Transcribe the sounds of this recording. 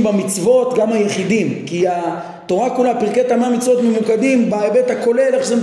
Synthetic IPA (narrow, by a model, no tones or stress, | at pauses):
mbamit͡svo̞t̪ɡamhajeχidimkia | t̪o̞ʁakulapiʁket̪ameamit͡svo̞t̪memukad̪imbaebet̪hako̞le̞laχʃam